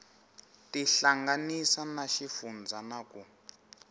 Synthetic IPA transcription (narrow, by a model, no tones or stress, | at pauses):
tiɬaŋɡanisanaʃifund͡zʱanaku